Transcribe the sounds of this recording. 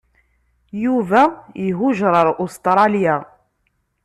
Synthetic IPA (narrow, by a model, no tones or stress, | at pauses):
juvæjəɦuʒɾˤəɾˤʔust̪ɾˤɑlja